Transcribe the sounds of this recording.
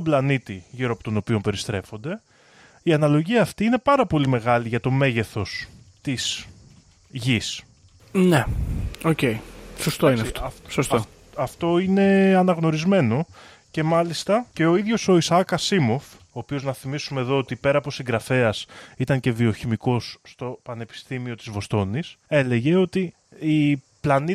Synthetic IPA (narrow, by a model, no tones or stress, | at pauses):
oblɐnit̪iʝiɾoɐpo̞t̪o̞no̞pio̞mpe̞ɾist̪ɾe̞fo̞nd̪e̞ | iɐnɐlo̞ʝiɐft̪iine̞pɐɾɐpo̞lime̞ɣɐliʝɐt̪o̞me̞ʝe̞θo̞s | t̪is | ʝis | neoce̞isost̪oineit̪ɐfsost̪o | ɐft̪o̞ine̞ɐnɐɣno̞ɾizme̞no̞ | ce̞mɐlist̪ɐce̞o̞iðʝo̞so̞isɐkɐsimo̞f | oːpio̞znɐθimisumeðo̞ot̪ipe̞ɾɐːpo̞siŋɡɾɐfe̞ɐsit̪ɐɲce̞vioçimiko̞sːt̪o̞pɐne̞pi̥st̪imio̞t̪i̥zvo̞st̪o̞nise̞le̞ʝe̞o̞t̪i | i | plɐni